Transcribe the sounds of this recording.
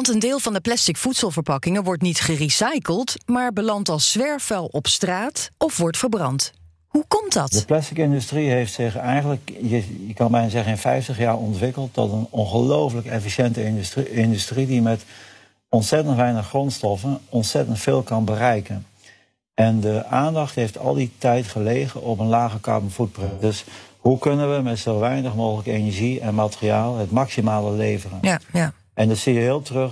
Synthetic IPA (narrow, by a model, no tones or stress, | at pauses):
ntəndɪːlˠvɑndəplɛstɪkfutsəlˠvəɹpɑkɪŋəʋɔɹtnitχərisɛjkəlˠtmaːɹbəlɑntɑlˠsʋɛɹfɛlˠɔpstraːtɔfʋɔɹtfəɹbrɑnt | hukɔmtdɑtdəplɛstɪkɪndystriɦejftsɪχɛjχənləkjəjəkɑnbɛjnazɛχənɪnfɛjftəχjaːɹɔntʋɪkəlˠt̚dɑ̰tənɔnχəlowfələkɛfiʃɛntəɪndystridimɛt | ɔnsɛtəntʋɛjnəχrɔnstɔfənɔnsɛtəntfeːlˠkɑnbərɛjkən | ɛndəʔaːndɑχtɦejftʰɑ̰lˠditɛjtχəlejɣənʔɔpənlaːχəkɑ̰ɹmənfut̚prɪndɵshukɵnənʋəmɛtsoʋɛjnəχmoːɣələkenəɹʒiɛnmatəria̰ːlˠɦətmɑksimaːləlejvərən | ʔɛndɑtsiːjəɦɪːlˠtrøχ